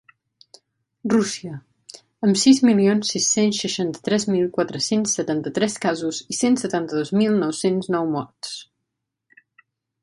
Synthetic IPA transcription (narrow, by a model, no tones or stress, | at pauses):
rusiə | əmsizmilionsːisːensʃəʃant̪ə̥t̪ɾɛzmilˠkwat̪ɾəsensːət̪ant̪ət̪ɾɛskazuzisensət̪ant̪əðozmilˠnɔwsenznɔwmɔɾt̪s